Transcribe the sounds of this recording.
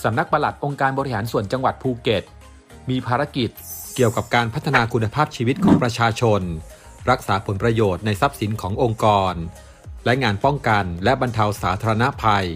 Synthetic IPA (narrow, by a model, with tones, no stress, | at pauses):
sa˩˦mna˦˥k̚pa˧la˨˩t̪̚ʔo˧ŋkaː˧nbɔː˧ɾi˦˥haː˩˦nsu˨˩ənt͡ɕa˧ŋwa˨˩t̪̚pʰuː˧ke˨˩t̪̚ | miː˧pʰaː˧ɾa˧˥ki˨˩t̪̚ki˨˩əwka˨˩p̚kaː˧npʰa˦˥t̪ʰːa˧naː˧kʰu˧nːa˧pʰaː˥˩p̚t͡ɕʰiː˧wi˦˥t̪̚kʰɔː˩˦ŋpɾa˧t͡ɕʰaː˧t͡ɕʰo˧n | ɾa˦˥k̚saː˩˦pʰo˩˦npɾa˧joː˨˩t̪̚na˧jsa˦˥p̚si˩˦nkʰɔː˩˦ŋʔo˧ŋkɔː˧n | lɛ˦˥ŋaː˧npɔ˥˩ŋka˧nlɛ˦˥ba˧nt̪ʰa˧wsaː˩˦t̪ʰaː˧ɾa˧na˦˥pʰa˧j